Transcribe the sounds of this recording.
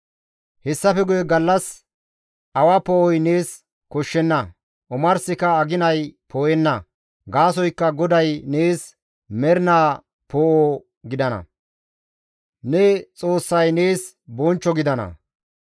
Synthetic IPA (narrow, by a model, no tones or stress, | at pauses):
hɛsːɐfɛɡʊjɛɡɐlːɐs | ʔɐwapoːʔɔjne̞ːs | kɔʃːɛnːɐ | ʔʊmɐɾsɪkɐːɡɪnɐjpoːjɛnːɐ | ɡaːsɔjkːɐɡɔd̪ɐjneːs | mɛɾɪnaː | poːʔoː | ɡɪd̪ɐnɐ̰ | nɛt͡sʼo̞ːsːɐjne̞ːs | bɔnt͡ʃːɔɡɪd̪ɐnɐ̰